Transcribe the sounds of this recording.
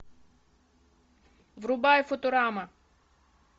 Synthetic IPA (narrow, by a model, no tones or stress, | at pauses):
vɾʊbajfot̪oɾamɐ